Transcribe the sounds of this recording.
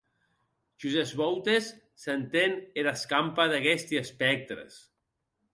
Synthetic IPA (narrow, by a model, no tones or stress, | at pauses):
ʒ̥uzezβɔwt̪esː | ent̪eneɾaskampaðaɣɛst̪iespɛk̚t̪ɾḛs